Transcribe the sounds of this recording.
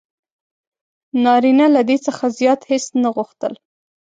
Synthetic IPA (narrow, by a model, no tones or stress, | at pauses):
nɑɾinalad̪et͡səxazjɑt̪hesnaɣuxt̪əl